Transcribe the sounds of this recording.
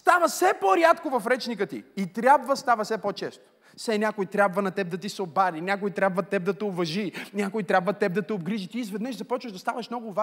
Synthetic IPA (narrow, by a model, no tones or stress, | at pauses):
st̪avəsɛpoɾjat̪kovɐfɾɛt͡ʃnikət̪ḭit̪ɾʲjabvəst̪avɐsɛpɔt͡ʃɛst̪o̥ | sɛnʲakʊjt̪ɾʲabvɐnɐt̪ɛb̚d̪ɐt̪isobaɾinʲak̬ʊjt̪ɾʲabvɐt̪ːɛb̚d̪ɐt̪ɛovɐʒinʲakʊjt̪ɾʲabvɐt̪ːɛb̚d̪ɐt̪ɛobɡɾiʒit̪iːzvɛd̪nəʃzɐpɔt͡ʃvəʒd̪ɐst̪avɐʃmnɔɡʊva